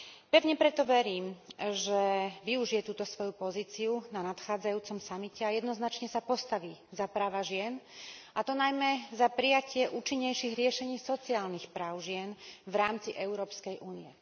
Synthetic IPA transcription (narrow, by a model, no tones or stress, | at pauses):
pɛʋɲɛpɾɛt̪ɔʋɛɾiːmʒɛʋiuʒijɛt̪uːt̪ɔsʋɔjupɔziːt͡siunanat̪xaːd͡zajuːt͡sɔmsamicɛajɛd̪nɔznat͡ʃɲɛsapɔst̪aʋiːzapɾaːʋaʒɪɛnʔat̪ɔnajmɛzapɾijacɪɛʔuːt͡ʃiɲːɛjʃiːɣɾɪɛʃɛɲiːsɔt͡siaːlnixpɾaːʊʒɪɛnʋɾaːmt͡siʔɛʊɾɔːpskɛjʔuːniɛ